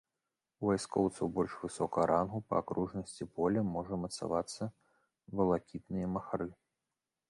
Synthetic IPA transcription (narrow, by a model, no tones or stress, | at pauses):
uvajskɔwt̪sɐwbɔlʲʂvɨsɔkɐɐɾʔanɣupɐ̰akɾuʐnɐsʲt͡sʲipɔlʲɐmɔʐɐmɐt̪sa̰vat̪sːɐ | vɐlˠakʲit̪nɨjɐmɐxaɾɨ